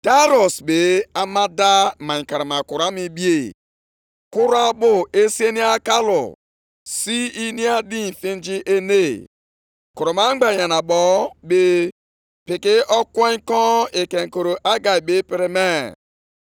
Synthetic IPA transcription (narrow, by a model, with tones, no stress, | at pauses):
ta˦ɾɔ˨sbe˨a˦ma˦da˦ma˨ka˨ɾa˨ma˨kʊ˨ɾa˦mi˦bi˦e˦˨ | kʊ˦ɾa˦bʊ˦e˦si˦e˦ni˦a˦ka˦lʊ̰˨ | si˦i˦ni˦a˦di˦n̩˨fi˦n˦d͡ʒi˦ʔe˦ne˦ | ko˨ɾo˨ma˨˦ŋ͡m̩˦ɡ͡ba˨ɲa˨na˨bɔ˨˦be˦ | pɪ˨kɪ˦ʔɔ˦kʷe˦ŋ˦kɔ˦e˨ke˨ŋ̩˨ko˨ɾo˨ʔa˦ɡa˨i˨bɪ˦pɪ˨ɾɪ˦me˦